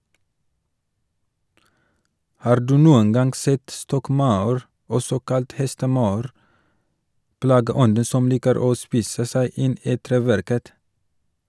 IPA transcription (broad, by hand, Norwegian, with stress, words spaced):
ˈhɑːɾ ˈdʉː ˈnuːən ˈɡɑŋɡ ˈsɛt ˈstɔkˌmɑʉɾ ˈɔsɔ ˈkɑlt ˈhɛstəˌmɑʉɾ ˈplɑːɡəˌɔndə ˈsɔm ˈliːkəɾ ˈoː ˈspiːsə ˈsæɪ ˈɪn ˈiː ˈtɾeːˌʋæɾkət